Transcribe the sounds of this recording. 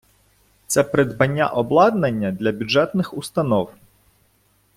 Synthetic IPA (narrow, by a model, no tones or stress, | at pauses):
t̪sɛpɾɪd̪bɐnʲːa̰ʔɔblˠɑd̪nɐnʲːɐd̪lʲɐbʲud͡ʒɛt̪nɪxust̪ɐnɔw